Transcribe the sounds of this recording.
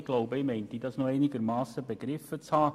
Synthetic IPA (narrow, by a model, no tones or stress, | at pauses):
ɡ̥loʊbəɪmɛɪnt̪idɑsnoɛɪnɪɡəɾmɑːsəbeɡ̥ɾɪfət͡shɑː